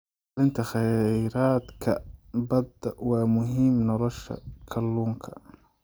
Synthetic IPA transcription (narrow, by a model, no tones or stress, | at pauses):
lɪnt̪ʰɐχɛɾaːd̪kʰɐbɐd̪ɐwɑːmʊɦiːmnɔlɔʃɐ̰kʰɐlːuːŋkʰɐ̥